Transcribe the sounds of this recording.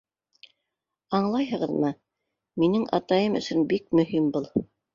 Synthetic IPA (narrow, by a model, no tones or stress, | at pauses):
ɑɴlˠɑjɦɤ̆ʁɤ̆ðmɤ | minɘŋɑ̰t̪ɑjɤmɵ̰̆sɵnbik̚mɵ̆ɦimbulˠ